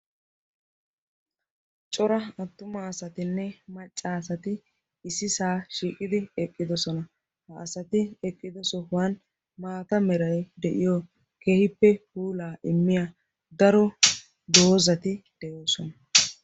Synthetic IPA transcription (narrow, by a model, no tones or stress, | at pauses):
t͡ʃʼɔɾɐɐt̪ːʊmɐːsɐt̪ɪnːɛmɐt͡ʃʼːaːsɐt̪ɪ | ɪsɪsaːʃiːkʼɪd̪ɪɛkʼːɪd̪ɔsɔnɐ | hɐʔːsɐt̪ɪɛkʼːɪd̪ɔsɔhwɐn | maːt̪ɐmɛɾɐjd̪ɛʔɪjɔ | keːhɪpːɛhuːlaːʔɪmːɪja | d̪ɐɾɔ | d̪oːzɐt̪ɪd̪̥ɛjoːsɔnɐ